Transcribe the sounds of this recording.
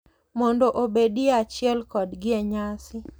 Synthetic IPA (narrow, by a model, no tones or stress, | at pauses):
mɔndɔʔobediat͡ʃɪɛlkɔdɡɪɛɲasɪ